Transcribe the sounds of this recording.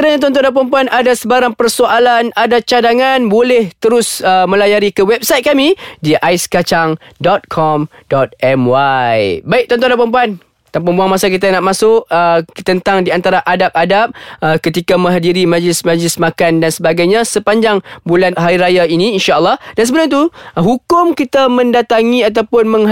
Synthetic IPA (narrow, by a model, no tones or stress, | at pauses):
əɾaɲãt̪ɔnt̪̬ɔdapəmpuanʔadasəbaɾaŋpərsoʔalanadat͡ʃadaŋanbolɛht̪əɾʊsəmə̃lajaɾikəwɛp̚sajt̪̚kamidiʔaskat͡ʃaŋdɔt̪̚kʰɔmdɔt̪̚ɛmwajbaɪk̚t̪ɔnt̪ɔ̃dapəmpuan | t̪apampuanmasak̬it̪̬anaʔmasʊʔət̪ənt̪aŋdiant̪aɾaʔadap̚adap̚əkət̪ikamə̃ŋɦadiɾimãd͡ʒəlɪsmãd͡ʒəlɪsmakandansəbaɡajɲãsəpaɲd͡ʒaŋbulanɦaɾiɾajainĩːnʃaəlːɔhdansəbənat̪uɦukʊmkit̪amə̃ndat̪aŋĩat̪awpʊnmə̃ŋ